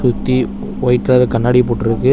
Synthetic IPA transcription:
sʊt̪ːi | ojkːaɾɯkɐnːaːɽip̬oːʈːɪɾɯkːɯ

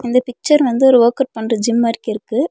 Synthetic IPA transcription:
ɪnd̪ɐpɪk̚t͡ʃɐɾʋɐnd̪ɯɔɾɯoːkɐʈ̚pɐɳrɐd͡ʒɪmːaːɾɪkːɪɾɯkːɯ

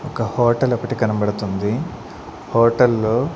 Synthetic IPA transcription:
ɔkɐhoːʈɐlɐpːɐʈikɐnɐbɐɽut̪und̪i | hoːʈɐlːoː

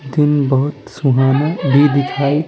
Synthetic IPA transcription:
d̪inbʌɦut̪suɦanabʱib̪ikʰaj

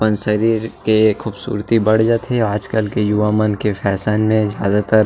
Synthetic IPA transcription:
pənsəɾiːɾkexuːbsṵːɾt̪ibɐɽ̤d͡ʒat̪ʰeaːd͡ʒkəlkejʊʋaːmənkefʰɛːsaːnmẽzja̰ːd̪at̪əɾ

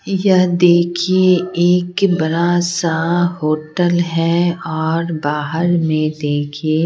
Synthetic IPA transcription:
jɐɦd̪eːkʰieeːkbɐɾasahoːʈəlɦɛɔːɾbaːɦəɾmẽd̪eːkʰie

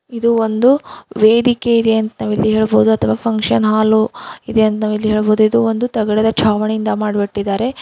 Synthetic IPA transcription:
id̪uond̪uʋeːd̪ikeid̪eɐnt̪ɐnaːʋilːiɦe̞ːɭbo̞ːd̪uɐt̪ʰɐʋaːpʰɐŋkʂɐnɦaːloid̪eɐnt̪ɐnaːʋɐlːiɦe̞ːɭbo̞ːd̪uid̪uond̪ut̪ɐɡɐɽɛd̪ɐt͡ʃʰaːʋɐɳejind̪ɐmaːɖbiʈːid̪ːaːɾe̞

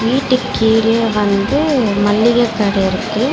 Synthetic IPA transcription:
ʋiːʈːɯkːiːɾɪjeʋɐnd̪ɯmɐlːɪɣɐkːɐːɽɐɪɾɯkːɐɯ

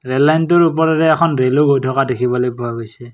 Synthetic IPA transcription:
ɹɛllajntɔɹup̬ɔɹɛɾɛːkʰɔnɹeloɡʱojtʰɔkadekʰibɔlojpɔaɡojsɛ

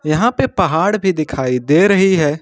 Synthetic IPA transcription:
jɐɦãpepɐɦaːɽbʱid̪ɪkʰaːid̪eɾɐɦiɦɛː

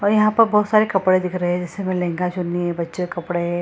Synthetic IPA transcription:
ɔɾjɐɦãpəɾbɔːt̪saɾekəpɽed̪ikɾəɦed͡ʑesemelẽŋɡat͡ɕunːiebətːekəpɽe

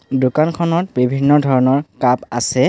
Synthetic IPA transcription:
dʊkankʰɔnɔt̚bibʱinːɔdʱɔɹɔnɔɹkapa̰sɛ

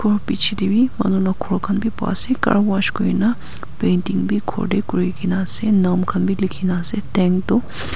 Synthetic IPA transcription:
kopit͡ʃʰid̪ibimɐ̰nunakʰoɽkʰɐnbʱipa̰ːsekɐ̰ɽwaʃkoina | pent̪iŋɡbʱikʰo̰ɖekuɾikinaːsenamkʰɐnbʱilikʰinaːset̪eŋɡt̪o

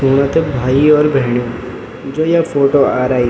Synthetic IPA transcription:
uːɽ̃at̪ebʱaːiɔːɾbʱɛɦɳijõ | d͡ʒoːjafoːʈoaːɾaːi

